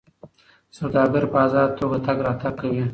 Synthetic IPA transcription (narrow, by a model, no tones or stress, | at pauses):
sawd̪ɑːɡəɾpəazɑd̪̚t̪ʰoɡat̪aɡɾɑt̪aɡ̚kːawi